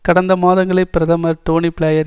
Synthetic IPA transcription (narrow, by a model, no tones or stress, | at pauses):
kɐɽɐnd̪ɐmaːðɐŋɡɐɭɐɪpːɪɾɐðɐmɐʈoːnipɪɭɐjɐɾ